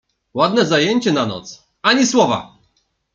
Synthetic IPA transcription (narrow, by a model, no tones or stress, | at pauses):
wad̪nɛzajeɲt͡ɕɛnanɔ̰t̪s | aɲiswɔva̰